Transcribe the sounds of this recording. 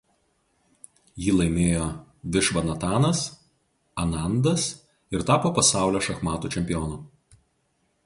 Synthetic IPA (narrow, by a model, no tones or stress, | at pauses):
jɪːlˠɐɪmʲeːjoːʋʲɪʃʋɐnɐt̪ɑːnɐs | ɐnɑˑnd̪ɐs | ɪɾt̪ɑːpoːpɐsɑˑʊlʲoːʃɐxmɑːt̪uːt͡ʃʲɛmʲpʲɪjɔːnuː